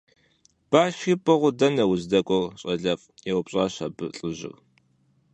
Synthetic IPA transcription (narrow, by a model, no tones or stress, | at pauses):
b̥aːʃiːpʼɐʁʷʊdɐnɐwʊzdɐkʷʼɔrɕʼɐɮɐfʼjɛwpɕʼaːɕɐbɨɬʼɨʑɪ̰r